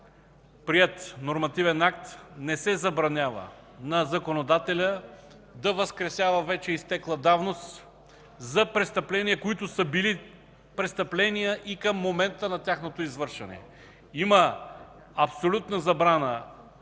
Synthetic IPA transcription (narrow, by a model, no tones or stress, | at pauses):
pɾiɛt̪noɾmɐt̪ivɛnak̚t̪nɛsɛzɐbɾɐnʲavə̰ | nɐzɐkonod̪at̪ɛlʲə | d̪ɐvəskɾɛsʲjavəvɛt͡ʃɛist̪ɛklˠəd̪avnost̪ | zɐpɾɛst̪ɐplɛnijəkoit̪ʊsəbili | pɾɛst̪ɐplɛnijəʔikəmːomɛnt̪ənɐt̪ʲjaxnot̪oizvɤɾʃvɐ̰nɛ̰ | imə | ɐpsolʲut̪nəzɐbɾanə